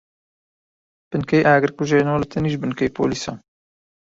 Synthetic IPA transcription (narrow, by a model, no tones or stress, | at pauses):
b̥ɨnkɛjʔaːɡɨɾkuʒeːnoːlɨt̪ʰɨniːʒbɨnkejpʰo̰ːliːsɑ̰ːn